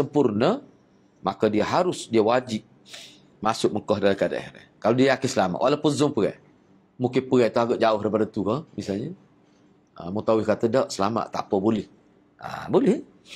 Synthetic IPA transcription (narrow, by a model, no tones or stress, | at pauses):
səmpurnə | makədiəɦaɾʊsdiəwad͡ʒiʔ̚ | masʊk̚məŋkɔhdalakada̰ʔhɛ̰ɾɛ̰hkalodiəjakɪsəlama̰ʔwʔalapunzʊŋpəɣɛ̰j | mukɪnpəɣɛjt̪uaɡaʔd͡ʒaʊhɾəbadət̪ukəmisalɲə | ə̰mut̪awɪhkat̪ədawʔsəlama̰ʔt̪a̰pəbolɪh | a̰bolɪh